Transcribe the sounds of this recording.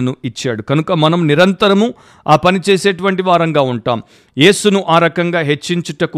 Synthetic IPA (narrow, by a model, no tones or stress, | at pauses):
nuit͡ʃːa̰ːɽukɐnukɐmɐnɐmniɾɐnt̪ɐɾɐmu | aːpɐnit͡ʃeːseːʈuʋɐɳʈiʋaːɾɐŋɡaːuɳʈa̰ːm | je̞ːsunuʔaːɾɐkɐŋɡaːɦe̞t͡ʃːiɲt͡ʃiʈɐku